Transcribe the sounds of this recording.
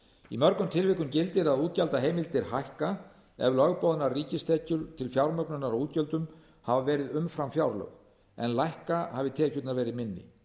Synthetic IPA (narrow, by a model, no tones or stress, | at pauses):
imœɾkʏmt̪ʰɪlvɪhkʏmcɪlt̪ɪɾaðuːt̪̚calt̪aɦeːjmɪlt̪ɪɾhajhka | ɛ̰vlœɣpowðnarriːcɪst̪ʰɛcʏɾt̪ʰɪlfjawɾmœknʏnaɾawuːt̪̚cœlt̪ʏm | havavɛːɾɪðʏmfɾamfjawɾlœ̰ɣ | ɛ̰nlajhkahavɪt̪ʰɛːcʏt̪naɾvɛːɾɪðmɪnːɪ̰